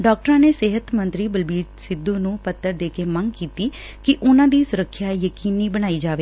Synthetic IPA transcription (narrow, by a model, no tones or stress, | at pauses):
ɖɔːk̚ʈəɾãːneːseːɦət̪mə̃nt̪ɾiːbəlbiːɾsɪd̪ːuːnũːpət̪ːəɾd̪eːkeːməŋɡkiːt̪iː | kɪʔʊnãːd̪iːsʊɾəkʰːjaːjəkiːniːbəɽ̃aːiːd͡ʒaːʋeː